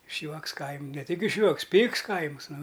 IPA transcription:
ɪʃʲˈjuɔks ˈkɐɪmʲ nʲɛ ˈtʲɪk ɪʃʲˈjuɔks ˈpʲiːks ˈkɐɪmɨs ˈnʊ

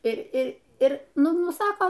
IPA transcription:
ɪ ɪ ɪr ˈnʊ ˈnʊ ˈsɑːkoː

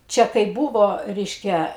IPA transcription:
ˈt͡ʃʲɛ kɐɪ ˈbuːʋoː ˈrʲɛɪʃʲkʲɛ

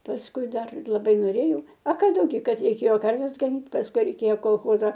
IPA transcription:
pɐsˈkʊɪ ˈdɐr lˠɐˈbɐɪ noːˈrʲeːjɛʊ ɐ ˈkɑː dɐʊˈɡʲɪ ˈkɐt rʲɛɪˈkʲeːjoː ˈkɐrʲʋʲɛs ɡɐˈnʲiːt pɐsˈkʊɪ ˈrʲɛɪkʲeːjoː koːlˠˈxoːzɐ

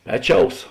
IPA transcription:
ˈpʲæːˌt͡ʃʲɛʊs

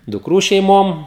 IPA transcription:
dʊkˈruː ʃʲɛɪˈmoːm

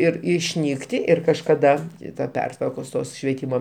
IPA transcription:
ˈɪr ɪʃʲˈnʲiːktʲɪ ˈɪr kɐʃkɐˈdɐ tɐ ˈpʲɛrtʋɐrkoːs ˈtoːs ʃʲʋʲiɛˈtʲiːmoː

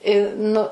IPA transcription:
ɪ ˈnʊ

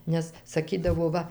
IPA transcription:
nʲɛs sɐˈkʲiːdɐʋoː ˈʋɐ

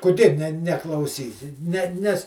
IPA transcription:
kʊˈdʲeː nʲɛ nʲɛklˠɐʊˈsʲiːsʲɪ nʲɛ ˈnʲɛs

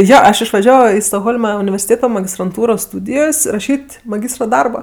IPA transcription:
ˈjoː ɐʃ ɪʃʋɐˈʒʲæːʋoː ˈiː stoːɡˈɣoːlˠmɐ ʊnʲɪʋʲɛrʲsʲɪˈtʲeːtoː mɐɡʲɪstrɐnˈtuːroːs stʊdʲɪjoːs rɐˈʃʲiːtʲ mɐˈɡʲiːstrɐ ˈdɐrbɐ

